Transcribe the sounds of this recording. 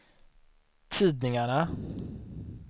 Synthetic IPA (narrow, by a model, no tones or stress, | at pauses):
t̪ʰiːd̪nɪŋaɳa